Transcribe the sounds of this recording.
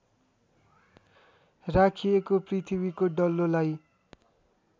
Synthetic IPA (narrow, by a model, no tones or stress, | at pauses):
rakʰiekoprit̪ʰibikoɖʌlolaj